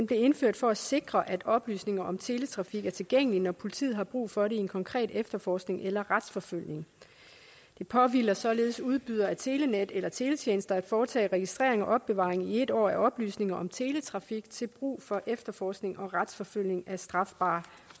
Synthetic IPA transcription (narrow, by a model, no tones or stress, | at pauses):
enb̥le̝e̝nføɐ̰d̥fɒ̽æse̝ɡ̥ʁɐʔæd̥ɒ̽b̥ly̰ːsne̝ŋɐʔɒ̽mt͡sʰe̝ːlet͡sʰʁɑ̈fiɡ̥æɐt͡sʰe̝lɡ̥eŋ̰əlinɒpʰo̝lit͡sʰḭð̩ˠɦhɑ̈b̥ʁṵːfɒ̽ɾeie̝nkʰɒ̽ŋkʰʁɛ̰ːd̥efd̥ɐfɒːsɡ̥ne̝ŋʔelɐʁad̥sfɒ̽føl̰ne̝ŋ | d̥e̝pʰɒ̽ʋilɐsɒ̽le̝ːð̞̩ˠsuð̞ˠb̥yðˠɐæt͡sʰe̝ːlened̥elɐt͡sʰe̝ːlet͡sʰjeːnəsd̥ɐæd̥fɒːt͡sʰɛ̰ːʁɛɡ̥isd̥ʁɛ̰ɐ̰e̝ŋɒ̽ʔɒ̽b̥ːe̝ʋɑ̰̈ːʁeŋie̝d̥ɒ̰ːæʔɒ̽b̥ly̰ːsne̝ŋɐʔɒ̽mt͡sʰe̝ːlet͡sʰʁɑ̈fiɡ̥t͡sʰe̝lb̥ʁṵːfɒ̽ʔefd̥ɐfɒːsɡ̥ne̝ŋʔɒ̽ʁɑd̥sfɒ̽føl̰ne̝ŋæsd̥ʁɑ̈fb̥ɑ̈ː